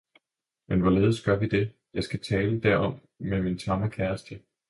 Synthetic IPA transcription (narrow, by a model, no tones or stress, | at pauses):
menʋɒle̝ːð̞ˠsɡ̥ɶɐʋid̥e̝ | jɑ̈ɪsɡ̥æt͡sʰɛːləd̥æɐ̰ʔɒ̽m̰ | memint͡sʰɑ̈ŋɐkʰæɐsd̥ə